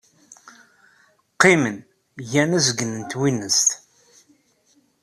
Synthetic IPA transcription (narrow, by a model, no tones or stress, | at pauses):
qːimən | jænæzəɡənənt̪winːəst̪